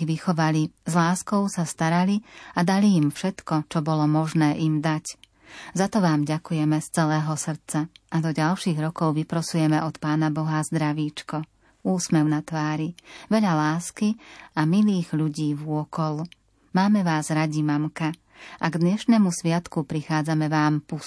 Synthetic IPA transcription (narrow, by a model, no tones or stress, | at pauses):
ʋixɔʋalizlaːskɔʊsast̪aɾaliad̪aliːmfʃɛt̪kɔt͡ʃɔbɔlɔmɔʒnɛːʔimd̪ac | zat̪ɔʋaːmɟakujɛmɛst͡sɛlɛːɦɔsr̩t͡saʔad̪ɔɟalʃiːɣɾɔkɔʊʋipɾɔsujɛmɛʔɔt̪paːnabɔɦazd̪ɾaʋiːt͡ʃkɔ | uːsmɛʊnat̪ʋaːɾiʋɛʎalaːskiamiliːɣʎuɟiːvʊɔkɔl | maːmɛʋaːzɾaɟimamka | ʔaɡd̪ɲɛʃnɛmusʋɪat̪kupɾixaːd͡zamɛʋaːmpus